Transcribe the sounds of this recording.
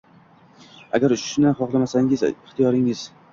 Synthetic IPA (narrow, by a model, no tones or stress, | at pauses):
a̰ɡʲaɾʊʃʃɪnanχɒqlˠamasaŋʲɪzɪχt̪ʰijɒɾɪŋɪz̥